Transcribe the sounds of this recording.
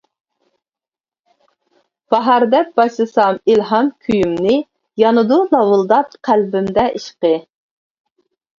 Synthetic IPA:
b̥ɑɦɑɾd̪ɛk̚b̥ɑʃɨsɑmilɦɑmkʲʰyjymnɪ | jɑnɨd̪unɑwɨlˠd̪ɑpqʰælbɪmd̪ɛʔiʃqə

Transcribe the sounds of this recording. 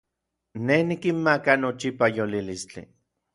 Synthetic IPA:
nehnikimmakanot͡ʃipajolilist͡ɬḭ

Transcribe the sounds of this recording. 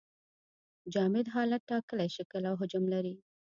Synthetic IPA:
d͡ʒɑmɪd̪ɦɑlat̪ːɑkəlajʃikəlawɦʊd͡ʒʊmlaɾi

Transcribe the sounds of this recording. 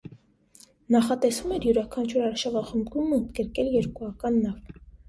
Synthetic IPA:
nɑχɑt̪ɛsvumɛɾjuɾɑkʰɑnt͡ʃʰuɾɑɾʃɑvɑχəmbɡumːunt̪ɡəɾkɛljɛɾkuɑkɑnːɑv

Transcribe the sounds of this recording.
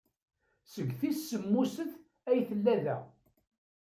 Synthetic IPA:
səɡθisːəmːusəθ | æjθəlːæðæ̰

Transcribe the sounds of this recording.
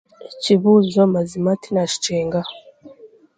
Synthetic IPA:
eciβuzomazimatinaʃi̥t͡ʃeːŋɡa

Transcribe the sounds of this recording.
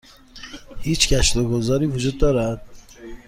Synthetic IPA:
hiːt͡ʃcæʃt̪oɡozɒːɾiːvud͡ʒud̪̚ːɒːɾæd̪̥̚

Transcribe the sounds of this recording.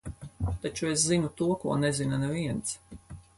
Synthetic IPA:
t̪at͡ʃues̬zinut̪uɔkṵɔnɛzinanaviɛnt̪s

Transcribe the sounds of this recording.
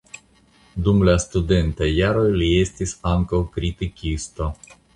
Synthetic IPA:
d̪umlast̪ude̞nt̪ajaɾo̞jlie̞st̪isaŋkawkɾit̪ikʲist̪o̞

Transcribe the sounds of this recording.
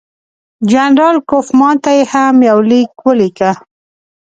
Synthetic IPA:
d͡ʒanɾɑlkofmɑnt̪ajehamjawlikwəlika

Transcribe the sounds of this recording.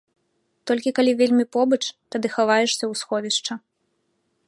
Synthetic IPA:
t̪ɔlʲkʲikalʲivʲelʲmʲipɔbɐt͡ʂt̪ad̪ɨxavajɛʂsʲɐwsxɔvʲiʂt͡ʂɐ

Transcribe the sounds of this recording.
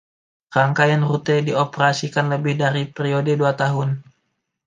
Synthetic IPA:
raŋkajaŋrut̪ediopəɾasikanləbɪhdaɾipɾiodəduat̪aɦʊn

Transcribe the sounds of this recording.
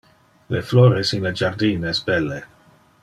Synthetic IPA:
lefloːɾesinled͡ʒard̪iːnesbɛlːe

